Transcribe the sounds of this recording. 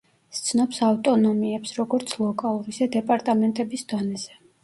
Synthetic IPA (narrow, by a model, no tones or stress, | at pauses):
st̪sʰnɔpsavt̪ʼɔnɔmiɛpsɾɔɡɔɾt̪sʰlˠɔkʼalˠuɾisɛd̪ɛpʼaɾt̪ʼamɛnt̪ʼɛbisd̪ɔnɛz̥ɛ